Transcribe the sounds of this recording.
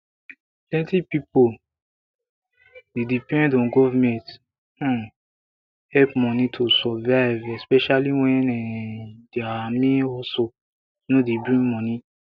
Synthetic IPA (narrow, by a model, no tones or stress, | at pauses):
plɛ̃ntipipo | dedipɛ̃ndɔ̃ɡɔvamɛ̃t | hɛlpmɔ̃nĩtʰusɔvajvɛspɛʃaliw̃ɛ̃nɛ̃deamĩɔso | nõdebɹĩŋmɔ̃nĩ